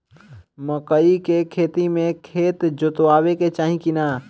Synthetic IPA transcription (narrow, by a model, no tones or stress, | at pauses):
məkəikekʰeːt̪imẽkʰeːt̪d͡ʒʊt̪ʋaːweket͡ʃaːɦĩkinaː